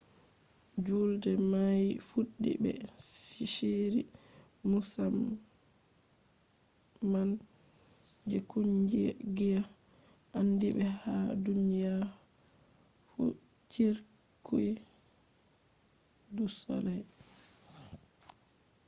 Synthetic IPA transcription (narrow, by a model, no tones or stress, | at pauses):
d͡ʒuldɛmajfuɗːḭbɛ̰siʃeɾimusam | man | d͡ʒɛkuɲd͡ʒiɡija | ʔandiɓɛhadunija | fṵ | t͡ʃiɾkʰu | dusɔ̰lɛj